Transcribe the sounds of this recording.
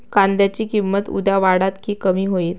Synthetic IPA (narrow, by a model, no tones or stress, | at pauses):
kand̪jat͡ɕiːkimːət̪ṵd̪jaʋaɽat̪kiːkəmiːɦoiːt̪